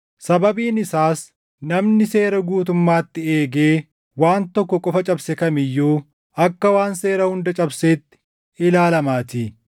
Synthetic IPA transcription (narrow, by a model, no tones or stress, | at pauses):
sɐbɐbiːnɪsaːs | nɐmnɪse̞ːɾɐɡuːt̪̬ʊmːaːt̪ːɪeːɡe̞ː | waːnt̪ɔkːɔkʼɔfɐt͡ʃʼɐbsɛkɐmɪjːuː | ɐkːɐwaːnse̞ːɾɐhʊnd̪ɐt͡ʃʼɐbseːt̪ːɪ̥ | ɪlaːlɐmaːt̪iː